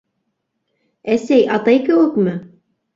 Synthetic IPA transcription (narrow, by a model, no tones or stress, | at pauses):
æsæjʔɑt̪ɑjkɘ̆wɘkmɘ